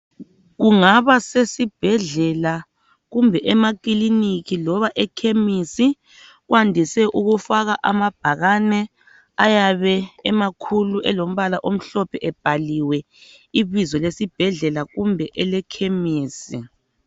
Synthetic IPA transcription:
ɣuŋaβasesib̥ʱɛɮɛla | ɣumbʱɛʔɛmakiliniɣilɔβaʔɛkʰemisi | ɣwandʱisɛʔuɣufaɣaʔamab̥ʱaɣanɛ | ajaβɛɛmakʰuluʔɛlom̩βalaʔom̩ɬɔpʰɛʔɛb̥ʱaliwɛ | iβizɔlesib̥ʱɛɮɛlaɣumbʱɛʔɛlɛkʰemiːsi

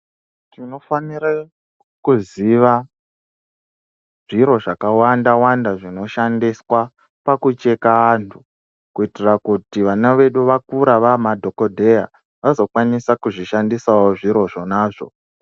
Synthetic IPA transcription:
tino̞faniɾa | kuziʋa | ʐ̥iɾo̞ʐakawandawandaʐino̞ʃandiswa | pakut͡ʃe̞kaːntʰu | kuitirakutiʋanaʋe̞ɗuʋakuɾaʋamadʱo̞ko̞dʱeja | ʋazo̞kwanisakuʐiʃandisawoʐiɾo̞ʐo̞naːʐo̞̰

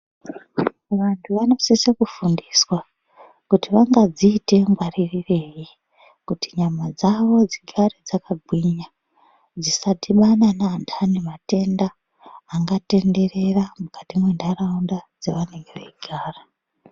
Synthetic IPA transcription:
ʋantʰuʋano̞sisekufundiswa | kutiʋaŋɡad͡ziːte̞mɡwaririre̞ːji | kutiɲamad͡zaʋo̞d͡ziɡʱared͡zakaɡʱwiɲa | d͡zisatiɓananandʰanemate̞ndaː | ŋɡate̞nde̞re̞ramukatimwendaraundad͡zeʋane̞ŋɡeʋeiɡʱaːra

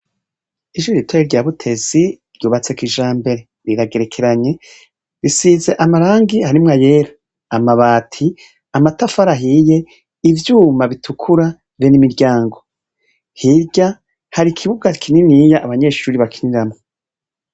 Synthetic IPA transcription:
iʃuɾitweeɾɟaːβutʰe̞zi | ɾɟuːβat͡se̞kiʒaːmbe̞ɾe̞ | ɾiɾaɡe̞ɾe̞kʰe̞ɾaɲe̞ | ɾisiːzeʔamaɾaːŋɡihaɾimŋajeɾḁː | maβaːtʰi | amatafaɾaɦije̞ | ivjuːmaβitʰukʰuɾa | βenimiɾɟaːŋɡo̞ | hiɾɟa | haɾikʰiβuɡakʰininijaʔːβaɲe̞ːʃuːɾiβakʰiniɾamo

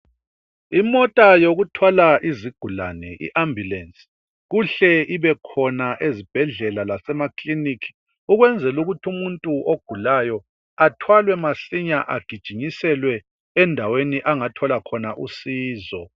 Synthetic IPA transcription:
imɔtʼajoɣutʰwɔlaʔiziɡ̥ʱula̰nɛʔḭʔambʱjulɛnsi | ɣuɬɛʔiβɛkʰɔnaʔezib̥ʱɛɮɛlalasɛmakʰlinikʰi̥ | uɣwɛnd͡zʱɛluɣutʰumuntʼuʔoɡ̥ʱulajɔ | atʰwalwɛmaɬiɲaʔaɡ̥ʱid̥ʒ̥ʱiɲisɛlwɛ | ɛndʱaweniʔaŋatʰɔlakʰɔnaʔusiːzɔ

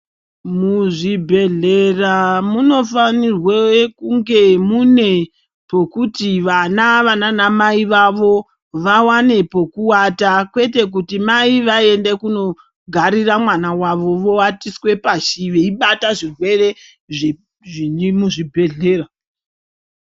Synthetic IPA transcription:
muʐibʱe̞ɮeramuno̞fanirwekuŋɡe̞mune̞ | po̞kutiʋanaʋananamaiʋaʋo̞ | ʋawane̞po̞kuwatakwe̞te̞k̬utimaiʋae̞ndekuno̞ | ɡʱaɾiramwanawaʋo̞ʋo̞atiswe̞paʃiʋeiɓataʐirwe̞re̞ | ʐe | ʐinimuʐibʱe̞ɮe̞ra

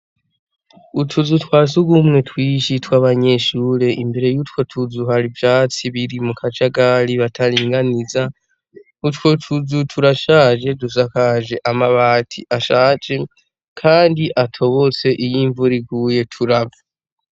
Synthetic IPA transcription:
utʰuzutwaːsuɡumŋe̞twiːʃitwaβaɲe̞ʃuːɾe̞ʔimbe̞ɾe̞jutwo̞tʰuzuhaɾivjaːt͡siβiɾimukʰat͡ʃaɡaɾiβatʰaɾiːŋɡaniza | utwo̞tʰuzutʰuɾaʃaːʒe̞dusakaʒe̞ʔamaβaːtʰḭʔaʃaːt͡ʃe̞ | kʰaːndiʔatʰo̞βo̞t͡se̞ʔijiːɱvuɾiɡuje̞tʰuɾava

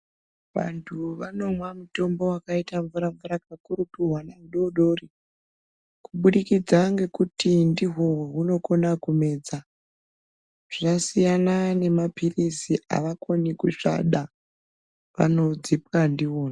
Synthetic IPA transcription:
ʋa̰ntʰuʋano̞mwamuto̞mbo̞wakaitaɱvuɾaɱvuɾakakurutuɦwanauɗoɗo̞ːri | kuɓuɗikid͡zaŋɡe̞kutindiɦo̞ɦuno̞ko̞nakume̞ːd͡za | ʐ̥asijanane̞mapʰirisiʔa̰ʋakonikuʂa̰ɗa | ʋa̰no̞d͡zip̚kandiwoːna

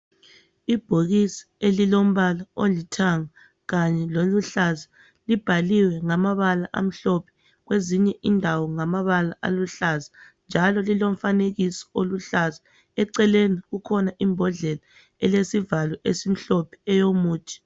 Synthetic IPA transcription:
ib̥ʱoɣisḁelilom̩βalaolitʰaŋa | ɣaɲɛloluɬaza | lib̥ʱaliwɛŋamaβalaʔa̰m̩ɬɔpʰɛ̥ | ɣweziɲɛʔindʱawɔŋamaβalaʔa̰luɬaza | nd͡ʒʱalɔlilom̩faneɣisɔ̥oluɬaza | ɛǀɛleniɣukʰɔnaʔimbʱɔɮɛla | ɛlesivalwɛʔesim̩ɬɔpʰɛ̥ɛjomuːt͡ʃʰʼi̥

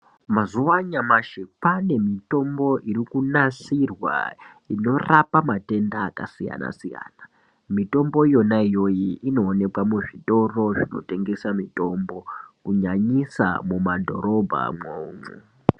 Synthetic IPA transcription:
mazuʋaɲamaʃepane̞mito̞mbo̞ʔiɾikunasirwa̰ | ino̞rapamate̞ndaːka̰sija̰na̰sija̰ːna | mito̞mbo̞ijo̞naijo̞jiʔino̞ːne̞kwamuʐito̞ro̞ʐino̞̰te̞ŋɡe̞samito̞mbo̞kuɲaɲisa̰mumadʱo̞̰ɾo̞bʱa̰mouːɱṵ

